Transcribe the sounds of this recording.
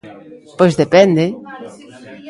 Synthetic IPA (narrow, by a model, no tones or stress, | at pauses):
pojzðepɛnd̪e